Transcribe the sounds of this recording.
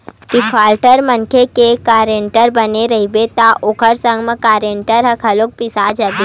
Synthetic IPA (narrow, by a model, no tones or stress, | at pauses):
ʈipʰaːlʈəɾmɐŋkʰekekaːɾeɳʈəɾbɐneɾɐɦibet̪aʔokʰəɾsə̃ŋɡməkaːɾeɳʈəɾɦɐkʰɐlok̚pɪsad͡ʒɐbi